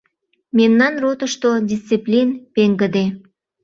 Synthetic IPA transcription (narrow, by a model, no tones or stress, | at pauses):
memnɑnrot̪əʃt̪odʲist͡siplʲinpeŋɡəd̪e